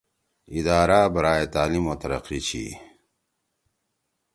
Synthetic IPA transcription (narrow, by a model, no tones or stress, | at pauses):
id̪aːɾaːbɐɾaːet̪aːlimot̪ɐɾɐ̰qit͡ɕʰḭ